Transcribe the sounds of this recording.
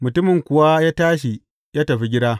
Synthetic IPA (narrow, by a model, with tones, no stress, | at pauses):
mʊ˨tʊ˦mɪ˨ŋkʷʊ˨wa˦jaː˦taː˦ʃ̬i˨ | jaː˦tɐ˨ɸi˦ɡʲɪ˦daː˦